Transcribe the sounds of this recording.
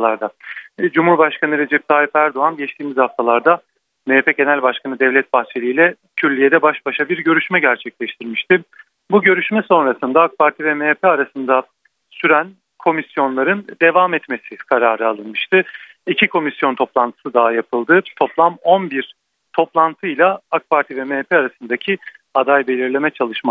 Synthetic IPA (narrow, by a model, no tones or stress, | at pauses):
lˠaɾd̪ad͡ʒumhuɾbaʃkʰanɯɾe̞d͡ʒɛp̚t̪ʰaːifæɾd̪o̞anɟɛt͡ʃt̪ʰiːmizhaft̪ʰalˠaɾd̪a | meːpʰɛɟe̞nælʲbaʃkʰanɯd̪ɛvlʲɛt̪̚baxt͡ʃʰe̞lʲijlʲɛ | cʰyɾlʲijed̪ɛbaʃbaʃabiɾɟø̞ɾyʃmɛɟæɾt͡ʃʰɛclʲɛʃt̪ʰiɾmiʃt̪ʰɪ | buɟø̞ɾyʃmɛso̞nɾasɯnd̪aːk̚paɾt̪ʰivɛmepʰɛaɾasɯnd̪a | syɾæn | kʰo̞misjo̞nlˠaɾɯnd̪e̞vaːmɛt̪me̞sɪkʰaɾaːɾɯalˠɯnmɯʃt̪ʰɯ | icʰikʰo̞misjo̞nt̪ʰo̞plˠant̪ʰɯ̥sɯd̪aɦajapʰɯlˠd̪ɯt̪ʰo̞plˠamo̞nbiɾ | t̪ʰo̞plˠant̪ʰɯjlʲˠaak̚pʰaɾt̪ʰivɛmeːpʰeaɾasɯnd̪acʰi | ad̪ajbe̞lʲiɾlʲe̞mɛt͡ʃʰalˠɯʃma